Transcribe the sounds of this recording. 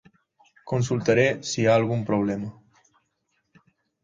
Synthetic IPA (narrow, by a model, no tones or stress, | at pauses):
konsulˠt̪aɾesiaːlˠɣumpɾoβ̞lɛmə